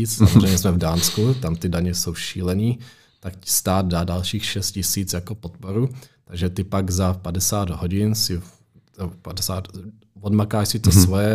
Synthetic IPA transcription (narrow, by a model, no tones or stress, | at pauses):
iːt͡ssamozrɛjɲɛsmɛvdaːnskut̪amt̪ɪdaɲɛso̞wʃiːlɛniː | t̪akcɪ̥st̪aːd̪̚daːdalʃiːxʃɛst̪̚cɪsiːt͡sjakopot̪poɾut̪aɡʒɛt̪ɪpaɡzapadɛsaːd̪ɦoɟɪnsɪ | ɛpadɛsaːt̪ | vodmakaːʃsɪt̪osvojɛ